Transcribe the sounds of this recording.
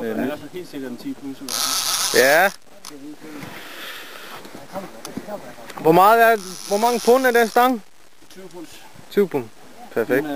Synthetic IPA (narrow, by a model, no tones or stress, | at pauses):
i | jæ | ʋɒmɑ̈ːð̩ˠæɐʋɒmɑ̈ŋəpʰɔnæɐd̥ensd̥ɑ̈ŋ | t͡sʰupʰun | pʰæɐfeɡ̥̚d̥